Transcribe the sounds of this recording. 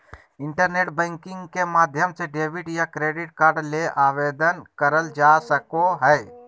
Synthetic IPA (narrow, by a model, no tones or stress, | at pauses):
ɪ̃ɳʈəɾneːʈbɛ̃ːŋkɪ̃ŋɡkemaːd̪ʱjəmseɖeːbɪʈjakɾeːɖɪʈkaːɾɖleʔaːʋeːd̪ənkəɾəld͡ʒaːsəkoɦɛː